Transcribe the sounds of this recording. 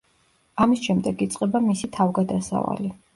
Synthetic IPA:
amisʃɛmd̪ɛɡit̪sʼqʼɛbamisit̪ʰavɡad̪asa̰va̰li

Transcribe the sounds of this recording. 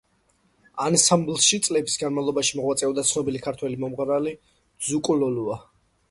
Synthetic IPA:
ansamblsʃit̪sʼlɛbi̥sɡanmavlˠɔbaʃimɔʁwat̪sʼɛɔd̪at̪sʰnɔbilikʰaɾt̪ʰwɛlimɔmʁɾali | zukʼlɔlua

